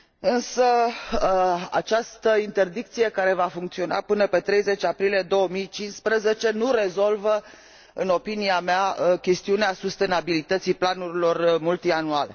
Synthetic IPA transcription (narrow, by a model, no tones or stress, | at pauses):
ɨnsə | a̰t͡ʃast̪əint̪e̞rd̪ik̚t̪sije̞kaɾe̞vafuŋk̚t̪sio̞na̰pɨnəpe̞t̪ɾe̞jze̞t͡ʃʲapɾilije̞d̪o̞wəmijt͡ʃinspɾəze̞t͡ʃe̞nuɾe̞zo̞lvə | ɨno̞piniameakʲe̞st̪iuneasust̪e̞nabilit̪ət̪siplanuɾilo̞rmult̪ianuale